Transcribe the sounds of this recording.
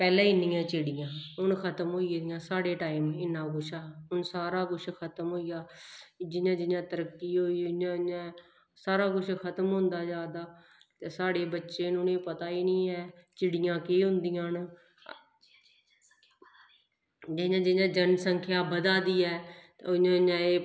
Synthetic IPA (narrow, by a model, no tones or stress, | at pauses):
pɛːlẽːinĩːãːt͡ʃɪɽɪjãːɦʊnkʰət̪əmɦoːiːd̪ɪjãːsaːɽeːʈaːiːmɪnːãːkʊʃʰaːʊnsaːɾaːkʊt͡ʃʰkʰət̪əmɦoːiːjaːd͡ʒɪnjãːd͡ʒɪnjãːt̪əɾəkːiːɦoːiːãã | saːɾaːkʊt͡ʃʰkʰət̪əmɦʊ̃ːnd̪aːd͡ʒaːd̪aː | t̪eːsaːɽeːbətːʃeːnʊneːpət̪aːiːnĩːɛːt͡ʃɪɽɪjãːkeːɦʊ̃nd̪ɪjãːn | d͡ʒɪjãːd͡ʒɪjãːd͡ʒənsəŋkʰjaːbəd̪aːd̪iːɛː | ʊɲãːɲãːeː